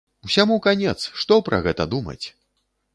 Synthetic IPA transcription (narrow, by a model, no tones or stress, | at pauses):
usʲamukanʲɛt̪sʂt̪ɔpɾɐ̰ɣɛt̪ɐd̪umɐ̰t͡sʲ